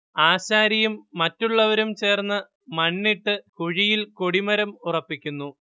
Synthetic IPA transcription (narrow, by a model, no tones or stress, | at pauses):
aːɕaːɾijumːɐtːuɭːɐʋɐɾumt͡ɕe̞ːrnːɨ | mɐɳːiʈːɨkuɻijilko̞ɽimɐɾɐmurɐpːikʲːunːu